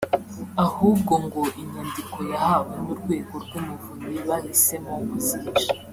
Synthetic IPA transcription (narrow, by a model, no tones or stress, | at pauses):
ahuːb̚ɡo̞ŋɡo̞ʔiɲandikʰo̞jahaβwenuɾɡwe̞ːɡo̞ɾɡwumuvuniβahise̞moβuziːʒi